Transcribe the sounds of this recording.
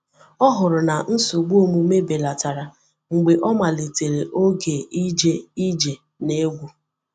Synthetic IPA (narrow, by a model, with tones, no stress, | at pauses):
ɔ˦ɦʊ˨ɾʊ˨na˨n̩˦su˨ɡ͡bu˦o˦mu˦me˦be˨la˨ta˨ɾa˨ | ŋ͡m̩˨ɡ͡be˨ʔɔ˦ma˨le˨te˨ɾe˨ʔo˦ɡe˨i˦d͡ʒe˦i˦d͡ʒe˨ | ne˦ɡʷu˨